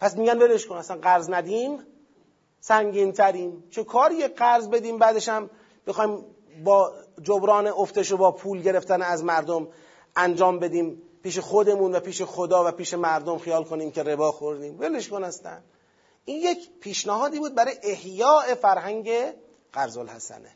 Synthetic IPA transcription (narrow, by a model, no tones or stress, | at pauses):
pʰæsmiːɟænveleʃkonæst̪ænɢæɾznæd̪iːm | sæŋɟiːnt̪ʰæɾiːmt͡ʃʰekʰɒːɾijeɢæɾzbe̞d̪iːmbæːd̪e̞ʃæm | bexɒːim | bɒːd͡ʒobɾɒːneoft̪eʃobɒːpʰuːlɟe̞ɾe̞ft̪ænæzmæɾd̪om | ænd͡ʒɒːmbe̞d̪iːmpiːʃe̞xod̪e̞muːnvæpiːʃe̞xod̪ɒːvæpiːʃe̞mæɾd̪o̞mxijɒːlkʰo̞niːmce̞ɾe̞bɒːxoɾd̪iːmveleʃkonæst̪æ̰n | ʔiːnjecpʰiːʃnæhɒːd̪iːbuːd̪̚bæɾɒjʔehjɒːe̞fæɾɦæŋɟe̞ | ɢ̥æɾzolhæ̰sæ̰nḛ